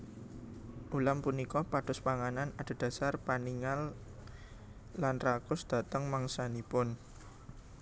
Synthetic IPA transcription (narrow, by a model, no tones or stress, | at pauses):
ʔulampunikɔpad̥ʊspaŋananad̥o̤d̥ä̤sarpaniŋal | anrakʊsd̪̥ä̤t̪əŋmaŋsanipʊn